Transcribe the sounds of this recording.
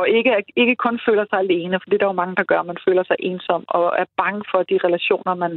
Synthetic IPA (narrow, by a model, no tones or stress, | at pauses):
ɒe̝ɡ̥əe̝ɡ̥əkʰɔ̽nfø̰ːlɐsɑ̈ɪæld̥ee̝ːnəfɒ̽d̥ḭːd̥ɑ̈jo̝mɑ̈ŋəd̥ɑ̈ɡ̥ɶɐmænfø̰ːlɐsɑ̈ɪʔe̝ːnsɒ̽m̰ɒ̽æɐb̥ɑ̈ŋəfɒ̽d̥iʁɛlæɕo̝̰ːnɐmæn